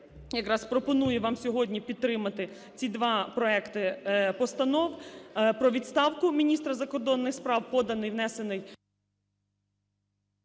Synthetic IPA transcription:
jɐkɾɑspɾɔpɔnujɛʋɑmsʲɔɦɔdʲnʲipʲid̪t̪ːɾɪmɐt̪ɪ | t͡sʲid̪ʋɑpɾɔɛkt̪ɪpɔst̪ɐnɔwpɾɔʋʲid̪st̪ɑwkʊmʲinʲist̪ɾɐzɐkɔrd̪ɔnːɪxspɾɑwpɔd̪ɐnɪjʋnɛsenɪj

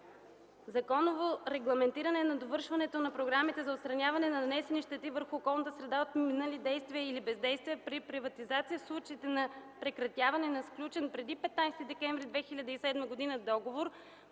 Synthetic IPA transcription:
zɐkɔnovoɾɛɡlˠɐmɛnt̪iɾɐnɛnɐd̪ovɤɾʃvɐnɛt̪onɐpɾoɡɾamit̪ɛzɐot̪st̪ɾɐnʲjavɐnɛnɐnɐnɛsɛniʃt̪ɛt̪ivəɾxuːkɔlˠnət̪əsɾɛd̪aot̪minəlid̪ɛjst̪viəilibɛzd̪ɛjst̪vijəpɾipɾivɐt̪izat̪sijəslˠut͡ʃəit̪ɛnɐpɾɛkɾɐt̪javɐnɛnɐsklʲut͡ʃɛnpɾɛd̪ipɛt̪najst̪id̪ɛkɛɱvɾid̪vɛxilʲɐd̪əisɛd̪məɡod̪inəd̪ɔɡovoɾ

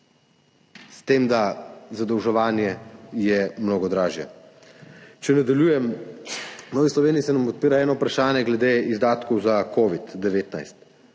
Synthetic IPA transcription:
st̪eːmd̪azad̪ɔwʒɛʋaːnjɛjɛmnoːɡɔd̪ɾaːʒjɛ̰ | t͡ʃɛnad̪ɐljuːjɛm | nɔːʋislɔʋeːniːsɛnampɔt̪̚piːɾaɛːnɔpɾaʃaːnjɛɡlɛd̪eizd̪aːt̪kɔwzakoːʋid̪d̪ɛʋeːt̪na̰jst̪

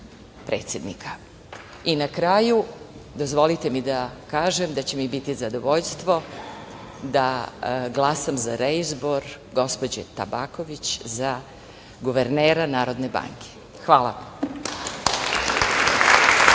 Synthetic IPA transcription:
pɾḛːt̪sjed̪nikʰḁ | inakɾaːjud̪o̞zʋo̞lit̪emid̪akaːʒemd̪at͡ɕe̞mibit̪izad̪oʋo̞ʎst̪ʋo̞ | d̪aɡlˠaːsamzaɾeizbo̞ɾɡo̞spod͡ʑḛt̪a̰baːko̞ʋit͡ɕza | ɡuʋeɾneːɾanaːɾo̞d̪ne̞ba̰ŋkʰe̥ | xʋaːlˠa̰

